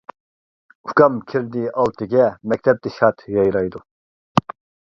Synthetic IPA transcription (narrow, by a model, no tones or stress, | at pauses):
ukɑmkʲʰiɾd̪iʔɑlˠt̪ʰɨɡʲɛmɛk̚ʲt̪ʰɛp̚t̪ɪʃɑt̪ʰjɑjɾɑjd̪u